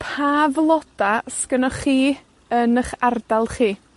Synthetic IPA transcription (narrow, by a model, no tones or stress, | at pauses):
pʰaːvlˠɔd̥askənɔχiː | ənəχardalˠχiː